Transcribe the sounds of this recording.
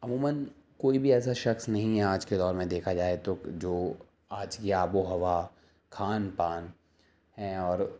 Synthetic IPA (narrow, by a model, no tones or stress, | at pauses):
ɐmuːmən | koːibʱiɛːs̬aʃɐxsnɐɦĩɦɛaːd͡ʒked̪ɔːɾmẽd̪eːkʰad͡ʒaːet̪od͡ʒoː | aːd͡ʒkiaːboɦɐʋa | kʰaːnpaːn | ɦɛɔːɾ